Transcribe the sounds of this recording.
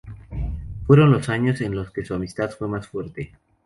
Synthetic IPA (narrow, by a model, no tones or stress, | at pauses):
fwe̞ɾo̞nlo̞saɲo̞se̞nlo̞ske̞suamist̪aðfwe̞masfwe̞ɾt̪e̞